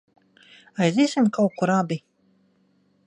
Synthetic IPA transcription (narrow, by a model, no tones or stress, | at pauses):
ajziːsʲimkawkuɾabi